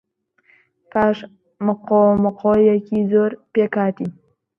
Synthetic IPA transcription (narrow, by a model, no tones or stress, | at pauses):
paʂ | mɨqomɨqʰojakʲʰizoɾpekaːtʰi